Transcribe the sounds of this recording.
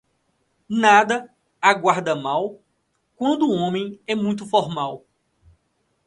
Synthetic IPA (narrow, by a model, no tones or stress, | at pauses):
nad̪ɐ | aɡwaɾd̪ɐmaw | kwɐ̃nd̪ʊõmẽj̃ɛmũj̃t̪̬ʊfɔɾmaw